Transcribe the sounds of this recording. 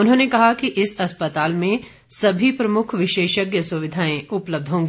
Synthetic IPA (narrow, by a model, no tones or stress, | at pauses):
ʊnɦõːnekɐɦakiʔɪsɐspət̪aːlmẽ | sɐbʱipɾɐmʊkʰʋɪʃeːʃəɡjəsʊʋɪd̪ʱaːẽʊpləb̚d̪ʱɦõːŋɡiː